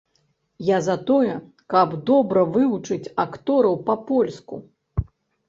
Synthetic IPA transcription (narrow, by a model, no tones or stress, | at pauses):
jazat̪ɔjɛ | kɐbd̪ɔbɾɐvɨvut͡ʂɨt͡sʲakt̪ɔɾɐwpɐpɔlʲskṵ